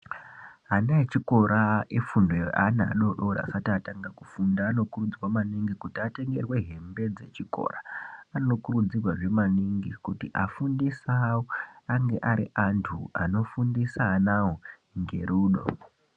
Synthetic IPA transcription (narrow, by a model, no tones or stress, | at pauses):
anaet͡ʃiko̞ɾaefundojoʔana̰ɗo̞ɗo̞ɾa̰ːsatiataŋɡakufundaːno̞kurud͡zwamaniŋɡikutiate̞ŋɡe̞rwe̞ɦe̞mbe̞d͡ze̞̰t͡ʃiko̞̰ːraano̞kurud͡zirwaʐemaniŋɡikutiʔafundisawoaŋɡe̞ʔaɾḭʔantʰuano̞fundisaːnawo | ŋɡe̞̰ɾuːɗo̞̰